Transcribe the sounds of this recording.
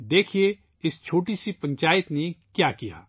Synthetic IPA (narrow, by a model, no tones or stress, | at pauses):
d̪eːkʰije | ɪst͡ʃʰoːʈ̬isipɐ̃ɲt͡ʃaːɪt̪nekjaːkɪja̰ː